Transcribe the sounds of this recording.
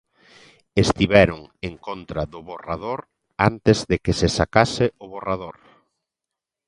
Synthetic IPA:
est̪iβɛɾoŋeŋkont̪ɾaðʊβorað̞oɾ | ant̪ezðekesesakasɪʊβorað̞oɾ

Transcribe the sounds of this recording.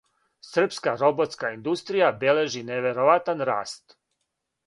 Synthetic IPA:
sr̩pskaɾo̞bo̞t̪skaind̪ust̪ɾijabele̞ʒineʋeɾo̞ʋat̪anɾa̰ːst̪

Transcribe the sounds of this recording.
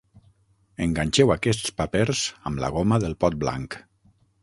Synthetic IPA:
əŋɡaɲʲt͡ʃɛwakɛst̪t͡spapeɾzəmlə̰ɣ̞oməðəlˠpɔt̪̚bla̰ŋk

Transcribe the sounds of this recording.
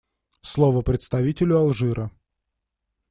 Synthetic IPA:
slˠovəpɾʲɪt̪st̪ɐvʲitʲɪlʲʊɐlˠʐɨɾʔə

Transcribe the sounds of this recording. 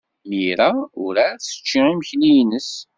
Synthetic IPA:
miɾæʊɾæθə̥t͡ʃːiiməçnijnəs

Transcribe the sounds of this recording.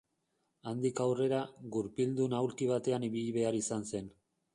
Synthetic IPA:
and̪ikawre̞ɾaɣuɾpild̪unawlkiβat̪e̞aniβiʎiβe̞aɾisanse̞n

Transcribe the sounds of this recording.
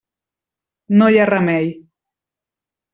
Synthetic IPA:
nojaramɛj

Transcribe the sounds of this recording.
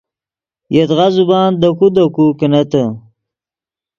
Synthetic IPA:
jet̪ʁazubɑːnd̪ɐkud̪ɐkukenɐt̪ə

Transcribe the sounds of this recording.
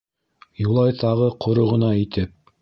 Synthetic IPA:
julˠɑjt̪ɑʁɤqʰŏɾŏʁɤ̆nɑit̪ɘp̚

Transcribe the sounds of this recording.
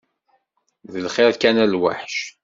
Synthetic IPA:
ðəlχɪɾkænælwa̰ħʃ

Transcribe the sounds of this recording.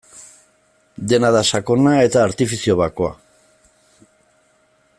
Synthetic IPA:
d̪e̞naðasako̞nae̞t̪aːɾt̪ifisio̞βakoa̰

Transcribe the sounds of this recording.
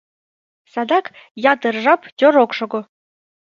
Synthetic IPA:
sɑd̪ɑkjɑt̪ɤ̆rʒɑptʲoɾokʃŏɡŏ

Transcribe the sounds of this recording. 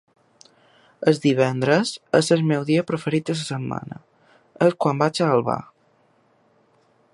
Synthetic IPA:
əzðiβ̞ɛnd̪ɾəzəzəzmɛwðiəpɾofəɾit̪əs̬əsəmːa̰nə̰ | əskwambad͡ʒalˠβa̰

